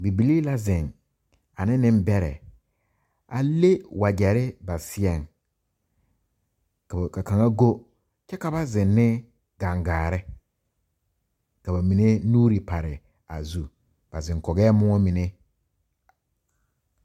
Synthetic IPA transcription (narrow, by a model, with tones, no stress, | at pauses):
bi˨bi˨liː˦la˦zɪ̃˨ŋ | a˨nɪ˦nɪ̃˦m˦bɛ˦ɾɛ̰˨ | a̰˨le˦wa˨d͡ʒɛ˨ɾɪ˦ba˨sɪ˦ɛ˨ŋ | kka˨ka˨ŋa˦ɡo˦ | t͡ʃɛ˦ka˨ba˦zɪ̃˨nːɪ˦ | ɡ̥ã˨ŋɡaː˨ɾɪ˦ | ka˨ba˨mi˨ne˦nuː˦ɾi˨pa˨ɾɪ˨ | a̰˨zu˨ | b̥a˨zɪ̃˨ŋkɔ˨ɡɛː˦mʊ˦ɔ˦mĩ˨ne˦